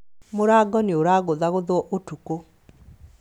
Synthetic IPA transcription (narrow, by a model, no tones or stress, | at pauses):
mʊɾaɡɔnɪoɾaɡɔd̪aɣʊd̪ɔʔotuko